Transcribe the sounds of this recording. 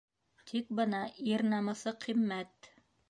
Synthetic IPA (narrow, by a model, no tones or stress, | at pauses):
t̪ʰik̚bɤ̆nɑʔiɾnɑmɤ̆sɤqʰimːæt̪